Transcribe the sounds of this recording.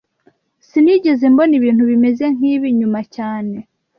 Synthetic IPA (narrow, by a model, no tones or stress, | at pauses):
siniɟe̞ze̞mbo̞niβiːn̥thuβime̞ze̞ŋ̥iːβiɲumacaːne̞